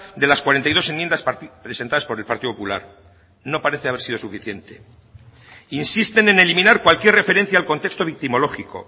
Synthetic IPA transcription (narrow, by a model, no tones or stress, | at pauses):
d̪e̞laskwaɾe̞nt̪ajðo̞se̞mjend̪aspɾesent̪aðaspo̞ɾe̞lpaɾt̪iðopopula̰ɾ | no̞paɾe̞θeaβeɾsiðo̞sufiθje̞nt̪e̞̥ | insist̪e̞ne̞ne̞limĩnaɾkwalkje̞rre̞feɾe̞n̟θjaːlko̞nt̪e̞kst̪o̞βik̚t̪imo̞lo̞xiko̞̰